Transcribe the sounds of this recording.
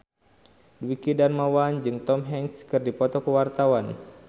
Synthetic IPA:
dwikidanmawand͡ʒɨŋt̪ɔmɦɛŋskɨrdipɔt̪ɔkəwart̪awan

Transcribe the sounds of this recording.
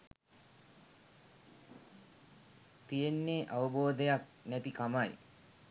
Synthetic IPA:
t̪ijenːeːʔaʋɐboːd̪ejak̚næt̪ikamaj

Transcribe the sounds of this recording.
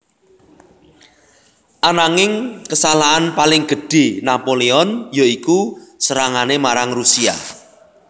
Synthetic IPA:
ʔanaŋɪŋkəsalaanpalɪŋɡ̥ə̤ɖ̥e̤napoleɔnjoikusəɾaŋanemaɾaŋrusia̰

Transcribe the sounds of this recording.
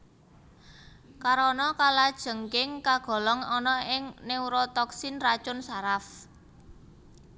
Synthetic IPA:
kaɾɔnɔkalad̥ʒ̥ə̤ŋkɪŋkaɡ̥ɔ̤lɔŋɔnɔɪŋneuɾɔt̪ɔksinrat͡ʃʊnsaɾaf

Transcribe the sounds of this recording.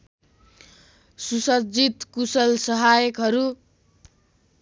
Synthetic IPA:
susʌd͡zit̪kusʌlsʌɦajʌkɦʌɾu

